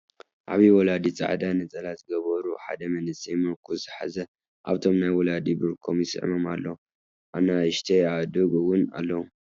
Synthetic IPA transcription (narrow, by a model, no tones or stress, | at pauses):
ʔaβiwɔlad̪it͡sʼa̰ʕd̪anɐt͡sʼɐlazɨɡɐβɐɾuħa̰d̪ɐmɐnɨsejmɐlkʰuzɨħa̰zɐ | ʔa̰βt̪ʰo̞mnajwɔlad̪ibɨɾkʰomɪsɨ̰ʕ̰moma̰lːɐ | ʔaβnaɨʃt̪ʰeaβd̪uɡwʊna̰lːɐwu